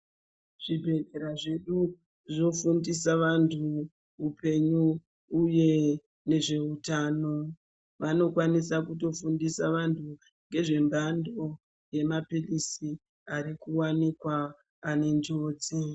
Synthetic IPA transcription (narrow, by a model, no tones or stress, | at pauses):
ʐ̥ibʱe̞deɾaʐe̞ɗu | ʐo̞fundisaʋantʰu | upe̞ɲuː | je̞ | ne̞ʐe̞utaːno̞ | ʋano̞kwanisakuto̞fundisaʋantʰu | ŋɡe̞ʐe̞mbando̞ | je̞mapilisi | aɾikuwanikwaː | ne̞nd͡ʒoːt͡si